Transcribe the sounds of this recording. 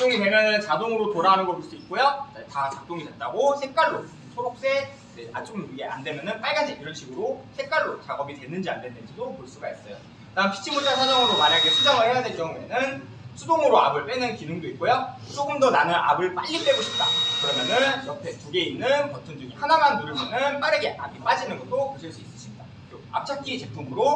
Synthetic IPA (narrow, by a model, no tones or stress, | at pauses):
t͡ɕoŋimeɡanɯt͡ɕadoŋɯɾotoɾaɦanɯnɡʌkus͈oit̚k͈ojod͡ʑetat͡ɕak̚t͈oŋidet̚t͈aɡosʰe̞k͈aɭːo | sʰoɾok̚s͈e̞ | d͡ʑea̰t͡ɕ͈omuɡea̰ndwe̞mjʌnɯnp͈aɭɡad͡ʑʰiiɾʌnɕʰiɡɯɾosʰe̞k͈aɭːot͡ɕaɡʌbitwe̞nːɯnd͡ʑiande̞nːɯnd͡ʑidopoɭs͈uɡais͈ʌjo | kɯdaɯmpʰi̥t͡ɕʰimut͡ɕ͈ʰasʰad͡ʑaŋɯɾomaɾaɡesʰud͡ʑaŋɯɭheadeɭkjʌŋue̞nɯn | sʰudoŋɯɾoabɯɭp͈enɯnkinɯŋdoit̚k͈ojot͡ɕ͈oɡɯmdʌnanɯna̰bɯɭp͈a̰ʎːip͈e̞ɡoɕʰi̥p̚t͈a̰kɯɾʌmjʌnɯnjʌpʰe̞t͡ɕoɡe̞inːɯnkʌtʰɯnd͡ʑuŋihanamanmumanɯnpaɾɯɡeʔabip͈ad͡ʑinɯnɡʌt͈opoɕʰiɭs͈uis͈ɯs͈iɲida | oa̰p̚t͡ɕʰat̚k͈iːt͡ɕe̞pʰumɯɾo